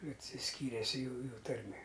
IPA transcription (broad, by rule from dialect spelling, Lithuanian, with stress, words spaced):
ɐtʲsʲɪˈsʲkʲiːrʲeːs ˈjuːjʊ ˈtɐrʲmʲeː